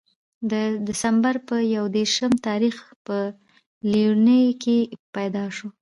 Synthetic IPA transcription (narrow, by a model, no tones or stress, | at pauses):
d̪əd̪ɪsambaɾpəjawd̪eɾʃəmt̪ɑɾixpə | linəjkepajd̪ɑʃo